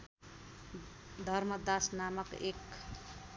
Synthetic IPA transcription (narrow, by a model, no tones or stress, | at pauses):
d̪ʱʌrmʌd̪asnamʌkek